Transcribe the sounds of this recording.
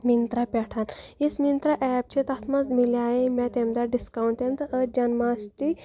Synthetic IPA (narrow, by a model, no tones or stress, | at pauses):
mint̪ɾapʲɛʈʰanjismint̪ɾaʔɛːp̚t͡ʃʰet̪ɐt̪ʰmɐzmiljaːjemʲɛt̪emd̪aɖiskawɳʈt̪emt̪ɐʔəd͡ʒɐnmaːst̪i